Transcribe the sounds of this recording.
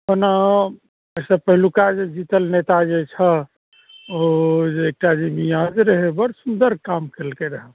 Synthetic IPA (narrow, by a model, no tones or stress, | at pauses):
ɦona | əsəpəɦilukad͡ʒed͡ʒit̪əlnet̪ad͡ʒet͡ʃʰə | oek̚ʈad͡ʒibijãd͡ʒɾəɦebəɾsund̪əɾkamkelkeɾəɦə